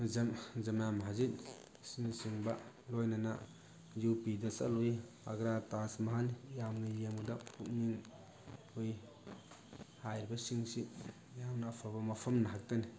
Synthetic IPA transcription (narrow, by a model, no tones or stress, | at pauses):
zɐmzɐmjamɦazit̚ | sinisiŋba | lojnana̰ | jupidɐsa̰luj | a̰ɡɾatasmaɦanjamnijemɡdapuk̚niŋ | uj | hajɾibɐsiŋsi | jamnaːpʰabɐmɐpʰɐmnaɦak̚tani